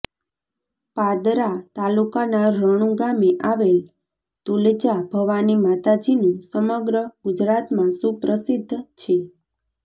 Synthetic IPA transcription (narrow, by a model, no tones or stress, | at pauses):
pad̪ɾat̪alukanaɾəɽ̃ũɡameʔaʋel | t̪uld͡ʒabʱəʋanimat̪ad͡ʒinũsəməɡɾəɡud͡ʒɾat̪mãsũpɾəsid̪ʱːt͡ʃʰe